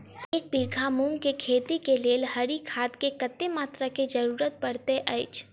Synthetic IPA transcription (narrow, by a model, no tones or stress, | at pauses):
eːk̚biːɡʱamũːŋkekʰeːt̪ikeleːlɦɐɾikʰaːt̪kekɐt̪ːemaːt̪ɾakid͡ʒɐɾuːɾət̪̚pɐɽt̪eʔɐɪt͡ʃ